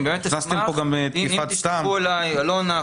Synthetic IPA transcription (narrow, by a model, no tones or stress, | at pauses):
bemettnast̪empoɡambet̪kiat̪st̪auelajalona